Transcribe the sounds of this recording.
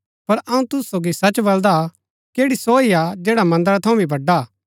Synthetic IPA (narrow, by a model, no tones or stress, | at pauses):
pɐɾɐũt̪ʊssoːɡisɐt͡ʃbɐld̪a | keːɽisoːiad͡ʒɛːɽamɐ̃nd̪əɾat̪ʰɐũbʱibʱɐɖːa